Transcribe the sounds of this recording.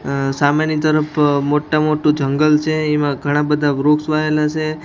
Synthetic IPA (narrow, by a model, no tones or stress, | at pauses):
samenit̪əɾəpʰmoʈːamoʈũd͡ʒəŋɡəlt͡ʃʰeːmãɡʱəɽ̃ãbəd̪ʱabɾoksʋaelat͡ʃʰe